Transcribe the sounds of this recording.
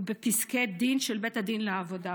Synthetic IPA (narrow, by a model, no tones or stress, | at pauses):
bepisked̪inʃelbethad̪inleavo̞da